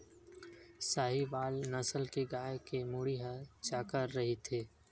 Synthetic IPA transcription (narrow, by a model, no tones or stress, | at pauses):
saːɦiʋaːlnɐsəlkeɡaːjkemuɽiːɦat͡ʃaːkəɾːɐɦit̪ʰeː